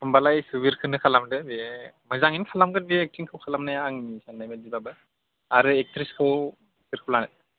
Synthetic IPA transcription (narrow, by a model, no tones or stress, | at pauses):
ɯmbalajsubiɾkʰɯnɯkʰalamdɯbemɐzaŋinikʰalamɡɯndiek̚tɾiŋkʰɯwkʰalamnajaːŋnisanːajmedibabɯ | aɾɯek̚tɾiskʰɯw | siɾkʰɯplanat̚